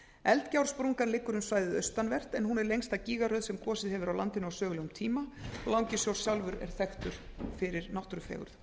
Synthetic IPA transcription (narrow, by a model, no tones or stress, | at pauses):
ɛlt̪cawɾ̥spɾuŋkanlɪkːʏɾʏmsvaːjðɪðœɥst̪anvɛr̥t̪ɛnɦunɛɾlejŋst̪aciːɣaɾœɥðsɛmkʰɔːsɪðhɛvʏɾawlant̪ɪnʏawsœːɣʏlɛɣʏmt̪ʰiːmaɔlawcɪsjowɾ̥sjawlvʏɾɛ̰ɾ̥θɛxt̪ʏɾ̥fɪɾɪɾnaht̪ɾʏfɛ̰ːɣʏ̰ɾ̥θ